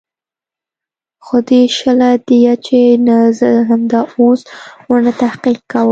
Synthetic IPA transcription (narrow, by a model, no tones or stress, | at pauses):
xod̪eʃəlad̪̥ijat͡ʃenazəɦamd̪ɑoswənat̪ahqiq̚kawə